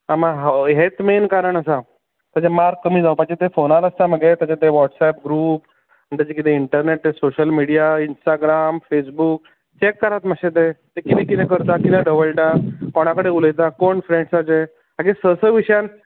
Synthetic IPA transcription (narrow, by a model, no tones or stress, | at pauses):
amaɦɦet̪menkaɾəɳəsa | t̪at͡ɕamaɾkːəmiːd͡zawpaɡt͡ɕet̪efonaləst̪aməɡet̪jat͡ɕat̪eʋɔʈsɛp̚ɡɾuːp | ɳt̪at͡ɕekit̪ẽiɳʈəɾneʈ̚t̪esoɕəlmiɽijainsʈaɡɾamfesbuːk̚ | t͡ɕekːəɾat̪maɕet̪̬et̪ekit̪ẽkit̪ekəɾt̪akit̪ẽɖəʋəlʈakoɽ̃akəɽeuləjt̪̬akoɳfɾẽɳsat͡ɕe | aɡesəsəʋiɕjan